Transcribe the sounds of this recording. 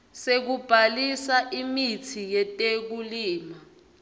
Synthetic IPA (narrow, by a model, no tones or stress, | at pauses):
sek̬ub̥ʱalisaʔimitʰijɛtʼek̬uliːma